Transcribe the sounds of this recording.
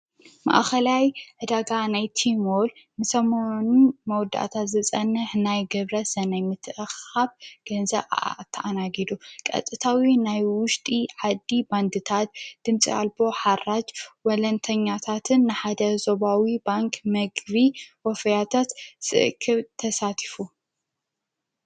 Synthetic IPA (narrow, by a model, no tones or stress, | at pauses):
ma̰ʔxɐlajʕɨd̪aɡanajt̪ʰimol | nɨsɐmonumɐwɔd̪ːa̰ʔt̪ʰat̪zɨt͡sʼɐnːɨħnajɡɐβɾɐsɐnɐjmɨt̪ʰɨʔɨxaβɡ̥ɐnzɐβat̪ʰːɐʔanaɡid̪ukʼɐ̰t̪ʼɨt̪ʰawinajwʊʃt̪ʼiʕad̪ːiband̪ɨt̪ʰat̪̚d̪̥ɨmt͡sʼḭa̰lbo̞ħarad͡ʒwɔlɐnt̪ʰɐɲːat̪ʰat̪ʰɨnːɨħad̪ɐzoβawibaŋkʰʼmɐɡβiwɔfɐjat̪ʰat̪sɨ̰ʔkʰːɨβt̪ʰɐsat̪ʰi̥fu